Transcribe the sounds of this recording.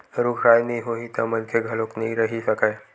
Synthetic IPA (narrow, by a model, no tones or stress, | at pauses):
ɾukʰɾajniɦoit̪əmənkʰeɡʱəloknaĩɾəɦisəkaj